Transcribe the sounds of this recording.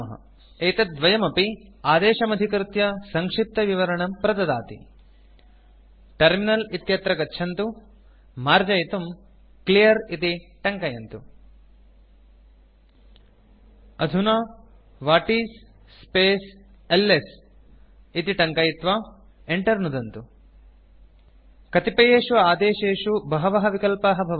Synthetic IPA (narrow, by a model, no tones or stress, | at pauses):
ɐɦɐ̰ | eːt̪ɐd̪ʋɐjɐmɐpiaːd̪eːʃɐmɐd̪ʱikɾut̪jɐsɐŋkʂip̚t̪ɐʋiʋɐɾɐɳɐmpɾɐt̪ɐd̪aːt̪ḭ | ʈɐɾminɐlit̪jɐt̪ɾɐɡɐtːʃʰɐnt̪u | maːɾd͡ʒɐjit̪um | klijɐɾit̪iʈɐŋkɐjɐnt̪u | ɐd̪ʱunɐ | ʋaːʈiːsː | peːs | elːes | it̪iʈɐŋkɐjit̪ʋaː | eɳʈɐɾnud̪ɐnt̪u | kɐt̪ipɐjeːʃuaːd̪eːʃeːʃubɐɦɐʋɐɦɐʋikɐlpɐɦɐbʱɐʋɐ